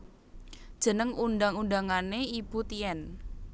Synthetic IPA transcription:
d̥ʒ̥ə̤nəŋunɖaŋunɖaŋaneib̥ṳt̪iɛn

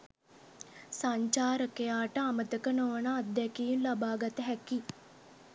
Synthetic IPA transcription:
saɲt͡ʃaːɾəkejaːʈəamət̪əkənoʋənaːd̪ːɛkijinlabaːɡat̪əɦæki

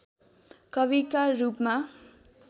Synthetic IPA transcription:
kʌβikarupma

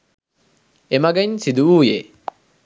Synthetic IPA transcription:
emɐɡɐɲsid̪uuːje

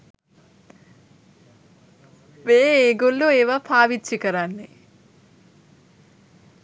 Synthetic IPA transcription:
beːeːɡolːoeːʋapʰaːʋitt͡ʃikəɾanːe

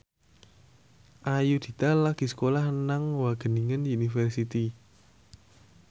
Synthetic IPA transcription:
ʔajud̪̥i̤t̪alaɡ̥i̤sə̥kolahnaŋwaɡ̥ə̤niŋənunifərsit̪i

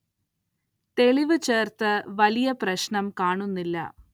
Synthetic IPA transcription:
t̪e̞ɭiʋɨt͡ɕe̞ːrt̪ɨʋɐlijɐprɐɕnɐmkaːɳunːilːɐ̰

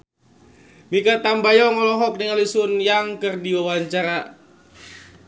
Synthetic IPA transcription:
mikat̪ambajɔŋɔlɔɦɔk̚diŋalisʊnjaŋkərdiwawaɲt͡ʃaɾa

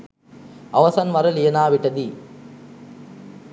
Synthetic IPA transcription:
ɐʋɐsɐnʋɐɾɐlijɐnaːʋɪʈːɐd̪i

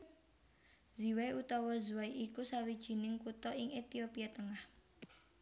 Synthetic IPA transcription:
ziwaut̪ɔwɔzuwaiʔikusawid̥ʒ̥i̤nɪŋkut̪ɔʔɪŋet̪iopiat̪əŋah

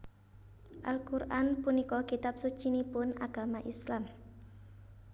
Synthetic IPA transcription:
ʔalkurʔanpunikɔkit̪ap̚sut͡ʃinipʊnaɡ̥a̤maʔislam

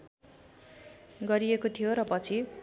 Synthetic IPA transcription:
ɡʌɾiekot̪ʰijoɾʌpʌt͡sʰi

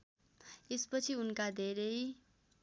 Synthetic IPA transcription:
espʌt͡sʰiunkad̪ʱeɾʌj

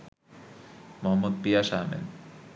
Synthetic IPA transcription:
moɦamːod̪̚pijaʃamḛn

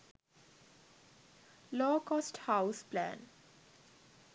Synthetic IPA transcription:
lɔːkɔːsʈhaʊsplæ̰̃ːn

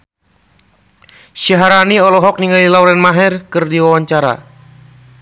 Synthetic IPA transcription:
ʃiɦaɾaniɔlɔɦɔk̚niŋalilawɾɛnmaɦɛrkɨrdiwawaɲt͡ʃaɾa̰

